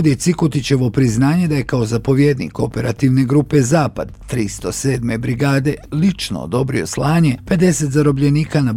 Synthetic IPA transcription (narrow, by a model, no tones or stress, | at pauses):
d̪jet̪sikut̪it͡ɕe̞ʋo̞pɾiznaːɲe̞d̪aje̞kaozapo̞ʋjed̪nḭːko̞pe̞ɾat̪iʋne̞ɡɾuːpe̞zaːpad̪t̪ɾist̪o̞se̞ːd̪me̞bɾiɡaːd̪e̞lit͡ʃno̰o̰d̪o̞bɾio̞̰slaːɲepe̞d̪e̞se̞t̪zaɾo̞bʎe̞niːkanab